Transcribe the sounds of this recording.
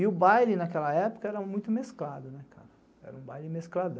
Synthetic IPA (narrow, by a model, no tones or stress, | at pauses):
ɪʊbajlɪ̃nakɛlɐɛpʊ̥kɐɛɾɐmũj̃t̪ʊmesklad̪ʊnɛkʰa̰ɾɐ | ɛ̰ɾɐũbajlɪ̃mesklad̪ɐ̃